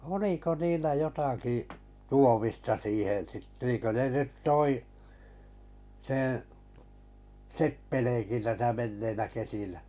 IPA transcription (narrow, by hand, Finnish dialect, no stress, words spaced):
oliko niːlːæ jotɑkiˑ tuomistɑ siːhen̞ sit niːŋkø ne nyt toi sẽː sepːeleːnki tæsæ menːeinæ kesinæ